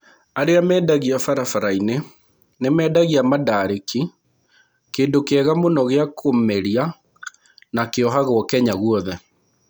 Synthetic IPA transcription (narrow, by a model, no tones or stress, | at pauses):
aɾeamɛːdaɣiafaɾafaɾaine | nemɛːdaɣiamadaːɾeki | keːndokeɛɣamonɔɣeakʰomeɾia | nakeɔɦaɣɔkɛɲaɣwɔðɛ